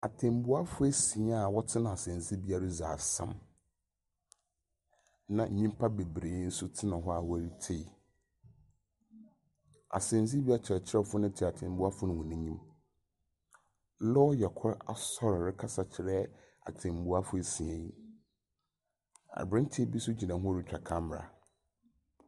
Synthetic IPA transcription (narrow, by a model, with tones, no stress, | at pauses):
a˨tʰẽ˨m˨bu˦a˦fʊ˦ɛ˦sĩ˨a˦˨wɔ˦tʰɪ˦nã˨a˨sɛ̃˨nzi˦bi˦a˦ɾa˦zaː˨sã̰˦m | nã˨˦ɲĩ˦m˦pʰa˦be˨bɾe˨˦n̩˦sʊ˦tʰɪ˦nã˨ɦɔ˦a˨wʊ˦æ˦ɾi˦tʰe˦˨ | a̰˨sɪ̃˨n˦zi˦bi˦a˦t͡ɕʰɾɛ˨t͡ɕʰɪ˦ɾɛ˦fʊ˦nɪ̃˦tʰi˨a˨tʰɪ̃˨m˦bʊ˦a˦fʊ˦nʊ̃˨hʊ̃˨nɪ̃˦ɲĩ˦m˦ | lɔ˦jɛ˨kʰʊ˦ɾa̰˨sɔ˦ɾɾɪ˦kʰa˦sa˨t͡ɕʰɪ˨˦ɾɛ˦ | a̰˨tʰɪ̃˨m˨bʊ˦a˦fʊ˦e˨sĩ˨ɛ̃˨i˦ | a̰˨bɾɪ̃˦n˦tʰe˦bi˦sʊ˦d͡ʑi˨nã˨ɦʊ̃˦ɾɪ˦t͡ɕᶣa˨kʰã˦m˦m˨ɾa̰˨